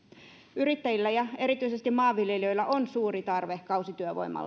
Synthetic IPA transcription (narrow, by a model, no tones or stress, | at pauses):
yrit̪ːæjilːæjɑe̞ɾit̪yisest̪imɑːʋːiljeliø̞jlːɑʔonsuːrit̪ɑrʋehkɑusit̪yøʋo̰imɑ̰lːɑ